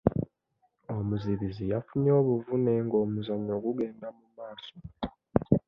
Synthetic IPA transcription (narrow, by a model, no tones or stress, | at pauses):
o̞muziβizijafuɲo̞ːβuvuneŋɡo̞ːmuzaɲo̞ːɡuɡe̞ːndamumaːso